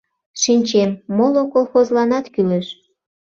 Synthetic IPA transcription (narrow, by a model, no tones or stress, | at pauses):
ʃinʲt͡ɕemːolokolxozlɑnɑt̪kyleʃ